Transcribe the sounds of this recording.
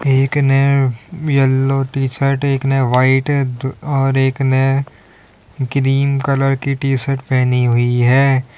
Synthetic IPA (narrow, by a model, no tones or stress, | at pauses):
eːknɛjəlːoʈiːʃəɾʈeːknɛʋaːɪʈdɔːɾeːknɛ | kɾiːmkələɾkiʈiːsəɾʈpɛɦniɦʊiɦɛː